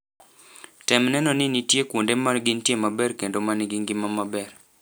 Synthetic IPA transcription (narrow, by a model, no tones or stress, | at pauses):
tɛmnɛnɔnɪnitjekwondemanɡɪntjemabɛrkendomanɪɡɪŋɡɪmamabɛr